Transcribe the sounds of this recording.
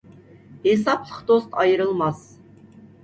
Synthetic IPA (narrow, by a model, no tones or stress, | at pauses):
hesɑplˠəqd̪ost̪ɑjəɾɨlˠmɑs